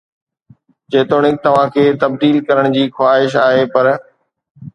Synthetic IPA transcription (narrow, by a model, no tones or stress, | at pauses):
d͡ʑeːt̪oːɽ̃ɪk̚t̪ɐʋ̤ãkʰeːt̪ɐb̚d̪iːlkɐɾəɽ̃d͡ʑiːxwaːɦɪʃaːɦepɐɾ